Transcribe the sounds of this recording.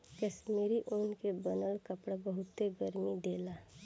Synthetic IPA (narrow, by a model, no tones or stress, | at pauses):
kəʃmeːɾiʔoːnkebənəlkəpɽabəɦʊt̪ːeɡəɾmid̪eːlaː